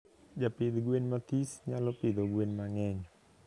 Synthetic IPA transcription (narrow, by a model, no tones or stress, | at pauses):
d͡ʒapɪd̪ɡwenmat̪isɲalɔpɪd̪oɡwenmaŋɛɲɔ